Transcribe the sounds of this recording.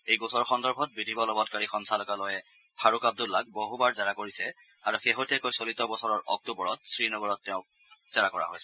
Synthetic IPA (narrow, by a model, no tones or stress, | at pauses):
ejɡosɔɹxɔndɔɹbʱɔt̚bidʱibɔlɔbɔtkaɹixɔnsʰalɔkalɔjɛ | pʰaɹukab̚dulːak̚boɦubaɹzaɹakoɹisɛ | aɹuxeɦotiɛkojsolitɔbɔsɔɹɔɹʔɔ̰k̚tubɔɹɔt̚sɹinɔɡɔɹɔtːɛʊ̃ | z̥aɹakɔɹa̰ɦojsɛ